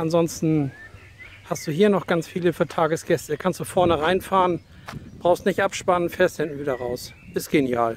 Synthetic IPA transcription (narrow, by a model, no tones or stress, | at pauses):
ʔanzɔnstn̩ | hastd̥uːɦiːɐnɔχɡ̥ant͡sfiːləfyːɐtʰaːɡəsɡ̥ɛstəkʰanstd̥uːfɛɐnəʁaɪnfaːʁən | b̥ʁaʊxstnɪçtʔapʃpanənfɛːɐsthɪnʔn̩viːdɐʁaʊs | ʔɪstɡ̥enja̰ːl